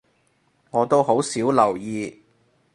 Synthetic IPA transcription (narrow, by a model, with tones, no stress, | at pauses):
ŋɔː˨˧t̪o˥wɦo˨˥wsiː˨˥wlɐ˨˩wjiː˨˧